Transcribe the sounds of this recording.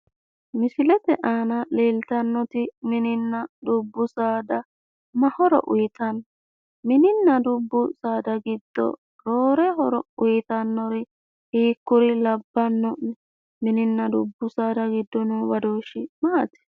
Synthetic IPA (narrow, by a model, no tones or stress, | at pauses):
mɪsɪlɛt̪ɛʔaːnɐleːlt̪ɐnːɔt̪ɪmɪnɪnːɐd̪ʊbːʊsaːd̪ɐ | mɐhɔɾɔ̰ʔʊjɪt̪ɐnːɔ | mɪnɪnːɐd̪ʊbːʊsaːd̪ɐɡɪd̪̥ːɔ̰ | ɾoːɾɛɦɔɾɔʊjɪt̪ɐnːɔɾɪ | hiːkːʊɾɪlɐbːɐnːɔʔnɛ | mɪnɪnːɐd̪ʊbːʊsaːd̪ɐɡɪd̪ːɔnʊwɐd̪oːʃɪmaːt̪ɛ̥